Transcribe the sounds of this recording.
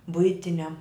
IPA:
ˈbʊɪtʲɪnʲɛm

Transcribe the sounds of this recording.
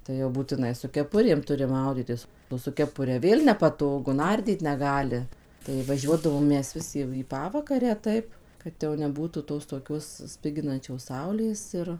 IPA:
tɐɪ jɛʊ buːtʲɪˈnɐɪ sʊ kʲɛˈpʊrʲeːm ˈtʊrʲɪ ˈmɐʊdʲiːtʲɪs sʊ kʲɛˈpʊrʲɛ ˈʋʲeːlˠ nʲɛpɐˈtoːɡʊ ˈnɐrʲdʲiːt nʲɛˈɡɑːlʲɪ tɐɪ ʋɐˈʒʲuɔdɐʋoːm ˈmʲɛs ˈʋʲɪs jɛʊ iː pɐˈʋɑːkɐrʲæː ˈtɐɪp ˈkɐt jɛʊ nʲɛˈbuːtuː ˌtoːs toːˈkʲoːs ˈsʲpʲɪɡʲɪnɐnʲt͡ʃʲoːs ˈsɐʊlʲeːs ɪr

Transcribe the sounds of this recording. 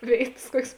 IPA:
ˈʋʲeːɪtɐs ˈkuɔkʲeːs

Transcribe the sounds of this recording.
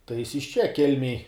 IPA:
tɐɪ jɪs ɪʃ ˈt͡ʃʲɛ ˈkʲɛlʲmʲeːj

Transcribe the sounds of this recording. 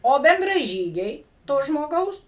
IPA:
ˈoː bʲɛndrɐˈʒʲiːɡʲɛɪ toː ʒmoːˈɡɐʊs

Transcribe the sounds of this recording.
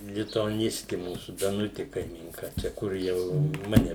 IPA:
lʲɪtʊɐˈnʲɪsʲtʲɪ ˈmuːsuː dɐˈnʊtʲɪ kɐɪmʲiːŋˈkɐ ˈt͡ʃʲɛ ˈkʊr jɛʊ ˈmɑːnʲɛ

